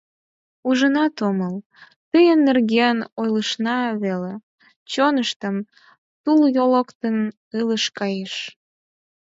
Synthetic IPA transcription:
uʒənɑt̪oməl | t̪əjənːerɣenojləʃnɑβele | t͡ɕonəʃt̪əm | t̪uljoləkt̪ən | ɨləʃkɑjeʃ

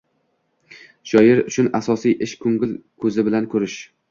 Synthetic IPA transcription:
ʃɒjɪɾʊt͡ʃʰʊnasɒsijʔɪʃkʰɵŋɡʲɪlkʰɵzɪbɪlankʰɵɾɪʃ

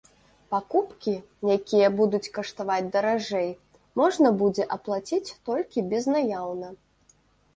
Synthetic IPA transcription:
pakupkʲi | jakʲijɐbud̪ut͡sʲkɐʂt̪avad͡zʲd̪ɐɾaʐɛj | mɔʐnɐbud͡zʲɛʔɐplˠat͡sʲit͡sʲt̪ɔlʲkʲibʲɛznajawnɐ

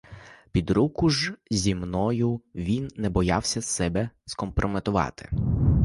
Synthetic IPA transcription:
pʲid̪ɾukʊʒzʲimnɔjʊʋʲinːɛbɔjɑwsʲɐsɛbɛskɔmpɾʔɔmet̪ʊʋɑ̰t̪ɪ̥̰

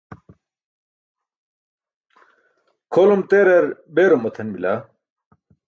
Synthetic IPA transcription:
kʰolomt̪eːɾɐɾbeːɾomːɐt̪ʰɐnmila

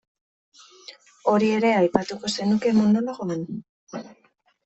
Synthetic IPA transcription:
o̞ɾie̞ɾe̞ajpat̪uko̞se̞nuke̞mond̪oloɣoan

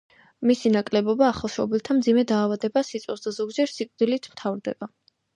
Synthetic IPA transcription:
misinakʼlɛbɔbaːχalˠʃɔbilˠt̪ʰamd̪zimɛd̪aːvad̪ɛbasit̪sʼɛsd̪azɔɡd͡ʒɛɾsikʼd̪ilit̪ʰmt̪ʰavɾd̪ɛ̰b̥a

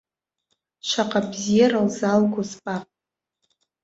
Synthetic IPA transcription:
ʃʷaqʼabzijaɾalzalɡʷozpʼapʼ

